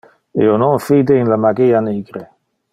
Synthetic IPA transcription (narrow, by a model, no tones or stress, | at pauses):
eonɔnfid̪einlamaɡeːaneːɡɾe